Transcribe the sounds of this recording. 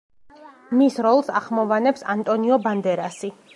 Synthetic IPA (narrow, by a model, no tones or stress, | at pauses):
misɾɔlˠsaχmɔvanɛpsant̪ʼɔniɔband̪ɛɾasi